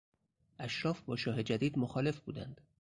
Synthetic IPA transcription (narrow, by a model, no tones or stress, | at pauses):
ʔæʃɾɒːfbɒːʃɒːɦe̞d͡ʒæd̪iːd̪moxɒːle̞fbuːd̪æ̰nd̪̥